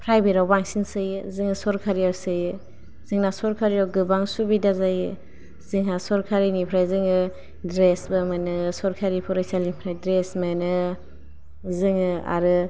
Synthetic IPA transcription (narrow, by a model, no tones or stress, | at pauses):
pʰɾajbiɾawbaŋsinsɯjzɯŋɯsɔɾkʰaɾiawsɯj | z̥ɯŋnasɔɾkʰaɾiɾawɡɯbaŋsubidazaj | zɯŋɦasɔɾkʰaɾinipʰɾajzɯŋɯ | dɾesbɯmɯnɯsɔɾkʰaɾipʰɔɾajsalipʰɾajdɾesmenɯ | zɯŋɯa̰ɾɯ